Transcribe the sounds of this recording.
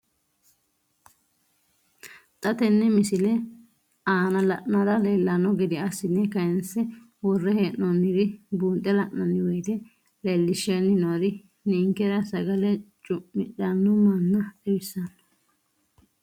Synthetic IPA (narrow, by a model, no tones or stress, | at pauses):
t̪ʼɐt̪ɛnːɛmɪsɪlɛ | aːnɐlɐʔnɐd̪ɐlelːɐnːɔɡɛd̪ɪɐsːɪnːɛkɐjɛnsɛ | wɔrːɛheːʔɔnːɪd̪ɪbuːnt̪ʼːɛlɐʔnɐnːɪwɛjt̪ɛ | lɛlːɪʃːenːɪnod̪ɪ | niːŋkɛɾɐsɐɡɐlɛt͡ʃʼʊʔɪᶑɐnːʊmɐnːɐɛbɪsːɐn